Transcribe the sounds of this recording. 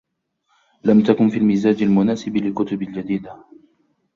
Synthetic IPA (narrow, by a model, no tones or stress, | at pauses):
lamt̪akʊnfiːlmiːzaːd͡ʒalmʊnaːsɪblɪlkʊt̪ʊbald͡ʒad̪iːd̪a